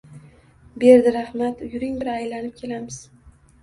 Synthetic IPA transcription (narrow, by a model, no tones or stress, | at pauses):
be̞ɾd̪ɪɾahmat̪ʊjʊɾɪŋbɪɾajlanɪp̚kʲʰe̞lamɪz̥